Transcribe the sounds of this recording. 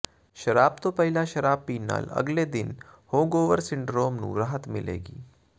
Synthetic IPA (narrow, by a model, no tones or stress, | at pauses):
ʃəɾabt̪opəɦilaɕəɾabːiːnːa̰ːlə̰ɡled̪inhoɡoʋəɾsiɳɖɾoːmnṵ̃ːɾaɦət̪milḛɡiː